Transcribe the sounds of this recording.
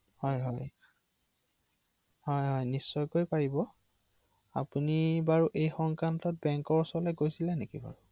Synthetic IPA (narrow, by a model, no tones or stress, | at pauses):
hɔjɦɔj | hɔjɦɔjnisːɔjkojpaɹibɔ | a̰punibaɹuʔejxɔŋkantɔt̚bɛŋkɔɹsɔlɛɡojsilɛnekiba̰ɹu